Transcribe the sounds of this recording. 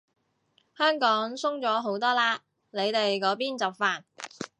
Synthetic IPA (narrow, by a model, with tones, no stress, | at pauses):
hœː˥ŋkɔː˨˥ŋsʊ˥ŋt͡sɔː˨˥ɦo˨˥wt̪ɔː˥laː˧ | le˨˧jt̪e˨jkɔː˨˥piː˥nt͡sɐ˨p̚faː˨˩n